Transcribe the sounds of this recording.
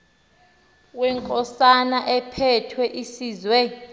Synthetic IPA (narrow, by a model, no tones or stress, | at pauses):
wɛŋkʼɔsanaʔɛpʰɛtʰwɛʔisiːzwɛ